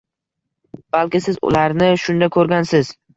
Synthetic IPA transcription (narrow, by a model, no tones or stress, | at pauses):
b̥alkʲɪsɪzʊ̰laɾnɪʃʊnd̪akʰɵɾɡʲansɪz